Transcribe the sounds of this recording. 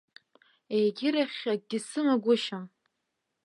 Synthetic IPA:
ejɡʲɪɾaχʲaɡ̚dʲisɨmaɡʷʊʃam

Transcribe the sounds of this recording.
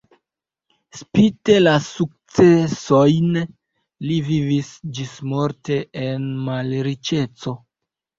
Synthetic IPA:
spite̞lasuk̚t͡se̞so̞jn | livivisd͡ʒismo̞ɾte̞enmalɾit͡ʃe̞t͡so̞

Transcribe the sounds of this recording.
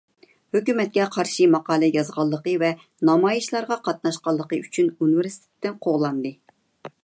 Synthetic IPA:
høkʲymɛt̪̚kʲɛqʰɑɾʃimɑqɑːlˠɛjɑzʁɑlˠːəqəvɛ | nɑmɑjiʃlˠɑɾʁɑqʰɑt̪̚nɑʃqɑlˠːəqəyt͡ʃʰynunvɪɾsi̥t̪ʰɪ̥t̪ːɪnqʰoʁlˠɑnd̪ɨ

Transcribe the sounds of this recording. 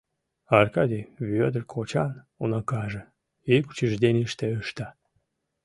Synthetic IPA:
ɑrkɑd̪ʲiβød̪ərkʰot͡ɕɑn | unɑkɑʒə | ejku̥t͡ɕiʒd̪enʲiʃt̪eəʃt̪ɑ

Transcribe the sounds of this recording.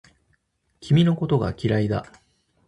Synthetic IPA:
kʲimʲino̞ko̞t̪o̞ɡa̰kʲiɾaid̪a

